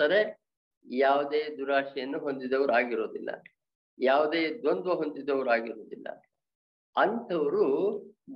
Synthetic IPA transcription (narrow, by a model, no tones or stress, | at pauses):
ɐɾe | jaːʋud̪eːd̪uɾaːʂijɐnːuɦo̞nd̪id̪ːɐʋɐɾuaːɡiɾo̞ːd̪ilːɐ̰ | jaːʋud̪eːd̪ond̪uɦond̪id̪ːɐʋɐɾuaːɡiɾo̞ːd̪ilːɐ̰ | ɐnt̪ʰɐʋɐɾu